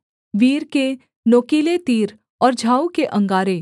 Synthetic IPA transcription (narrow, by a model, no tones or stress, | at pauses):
ʋiːɾke | noːkiːlet̪iːɾ | ɔːɾd͡ʒʱaːukeʔɐ̃ŋɡaːɾe